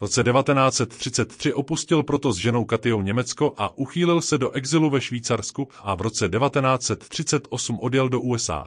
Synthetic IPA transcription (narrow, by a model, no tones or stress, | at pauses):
vɾo̞t͡sɛdɛvat̪ɛnaːt͡sɛt̪ːr̝̥ɪt͡sɛt̪ːr̝̥ɪʔo̞puscɪlpɾot̪o̞zʒɛno̞wkat̪ɪjo̞wɲɛmɛt͡sko̞ʔaʔuxiːlɪlsɛdo̞ʔɛɡzɪluvɛʃviːt͡saɾskuʔavɾo̞t͡sɛdɛvat̪ɛnaːt͡sɛt̪ːr̥ɪt͡sɛt̪ʔo̞sumʔo̞djɛldo̞ʔuːɛsʔa̰ː